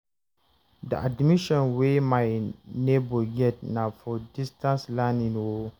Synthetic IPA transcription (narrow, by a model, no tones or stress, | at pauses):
dḭadmiʃɔ̃nwemaɪneboɡɛt̚nãfɔdistãnslãnĩnwo